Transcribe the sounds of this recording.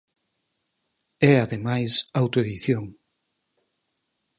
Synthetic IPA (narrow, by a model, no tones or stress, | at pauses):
ɛaðemajsawt̪oeðiθjoŋ